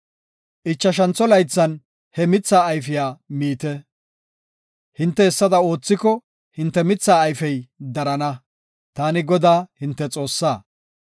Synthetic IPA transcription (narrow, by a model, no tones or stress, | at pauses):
ʔɪt͡ʃːɐʃ̬ɐnt͡sːɔlɐjt͡sːɐn | hɛmɪt͡sːaːjfɪjaːmiːt̪ɛ | hɪnt̪ːɛɛsːɐd̪ɐo̞ːt͡sːɪkɔ | hɪnt̪ːɛmɪt͡sːaːjfɛjd̪ɐɾɐnɐ | t̪aːnɪɡɔd̪aːhɪnt̪ːɛt͡sʼo̞ːsːaː